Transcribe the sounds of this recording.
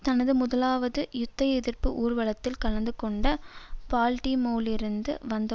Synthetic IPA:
t̪ɐnɐðɯmʊðɐlaːʋɐðɯjʊt̪ːɐjɛðɪrpɯʔuːɾʋɐɭɐt̪ːɪlkɐɭɐnd̪ɯkɔɳɖɐpaːlʈimoːlɪɾɯnd̪ɯʋɐnd̪ɐ

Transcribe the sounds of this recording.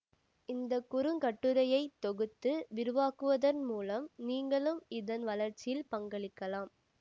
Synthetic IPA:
ɪnd̪ɐkʊɾɯŋkɐʈːɯɾɐjɐɪt̪ːɔɣɯt̪ːɯʋɪɾɯʋaːkɯʋɐðɐnmuːlɐmniːŋɡɐɭɯmɪðɐnʋɐlɐɾt͡ʃːɪjɪlpɐŋɡɐɭɪkːɐlaːm

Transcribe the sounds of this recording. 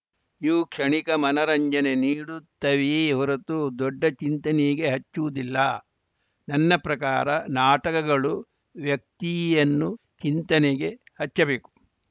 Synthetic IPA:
iʋukʂɐɳikɐmɐnɐɾɐɲd͡ʒɐneniːɽut̪ːɐʋiɦɔɾɐt̪ud̪ɔɖːɐt͡ʃint̪ɐneɡe̞ɦɐt͡ʃːuʋud̪ilːɐ | nɐnːɐpɾɐkaːɾɐnaːʈɐkɐɡɐɭu | ʋjɐk̚t̪ijɐnːu | t͡ʃint̪ɐneɡe̞ | hɐt͡ʃːɐbeːku̥

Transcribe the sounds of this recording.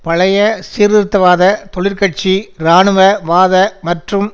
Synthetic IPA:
pɐɭɐjɐsiːɾɪɾɯt̪ːɐʋaːðɐt̪ɔɭɪɾkɐʈ̚t͡ʃiɾaːɳɯʋɐʋaːðɐmɐʈrɯm

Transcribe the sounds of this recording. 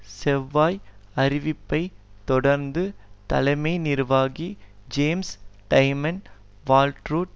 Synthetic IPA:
sɛʋːaːjɐɾɪʋɪpːɐɪt̪ːɔɽɐɾnd̪ɯt̪ɐ̰lɐɪmɐɪnɪɾʋaːɣid͡ʒeːmsʈɐɪmɐn | ʋaːlʈɾuːʈ

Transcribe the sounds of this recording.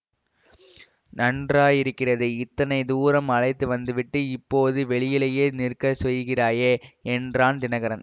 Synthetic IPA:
nɐndraːjɪɾɯkːɪrɐðɯɪt̪ːɐnɐɪd̪uːɾɐmɐɭɐɪt̪ːɯʋɐnd̪ɯʋɪʈːɯɪpːoːðɯʋɛɭɪjɪlɐjeːnɪrkɐsɛjɣɪraːjeɛndraːnd̪ɪnɐɣɐɾɐn

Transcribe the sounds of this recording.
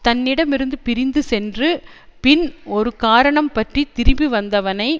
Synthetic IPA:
t̪ɐnːɪɽɐmɪɾɯnd̪ɯpɪɾɪnd̪ɯsɛndrɯpɪnɔɾɯkaːɾɐɳɐmpɐʈrit̪ɪɾɪmbiʋɐnd̪ɐʋɐnɐɪ

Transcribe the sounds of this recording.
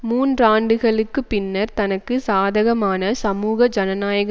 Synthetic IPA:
muːnraːɳɖɯɣɐɭɯkːɯpːɪnːɐɾt̪ɐnɐkːɯsaːðɐɣɐmaːnɐsɐmuːɣɐd͡ʒɐnɐnaːjɐɣɐ

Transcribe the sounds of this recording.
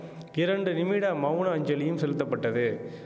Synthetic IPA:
ɪɾɐɳɖɯnɪmiɽaːmɐʋʊɳɐɐɲd͡ʒɐlɪjɯmsɛlɯt̪ːɐpːɐʈːɐðɯ

